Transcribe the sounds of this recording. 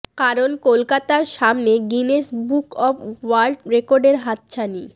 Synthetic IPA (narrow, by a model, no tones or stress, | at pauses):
kaɾonkolkat̪aɾʃamneɡineʃbukɔfʰwalɖɾekoɾɖeɾɦat̪̚t͡ɕʰani